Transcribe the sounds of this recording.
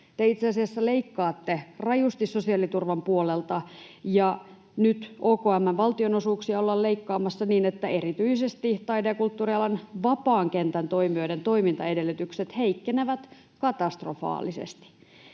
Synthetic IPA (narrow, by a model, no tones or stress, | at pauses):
t̪eit̪seɑsiɑsːɑleikːɑːt̪ːerɑjust̪isso̞siɑlit̪urʋɑmpuolelt̪ɑjɑ | nyt̪oːkoːæmːænʋɑlt̪ionosuːksiɑolːɑlleikːɑːmɑsːɑniːnet̪ːæe̞rit̪yisest̪it̪ɑideːkult̪ːuːriɑlɑnʋɑpɑːŋkent̪ænt̪o̞imioident̪o̞imint̪ɑedelːyt̪ykset̪heikːeneʋæt̪ | kɑt̪ɑst̪rofɑ̰ːlisḛst̪i̥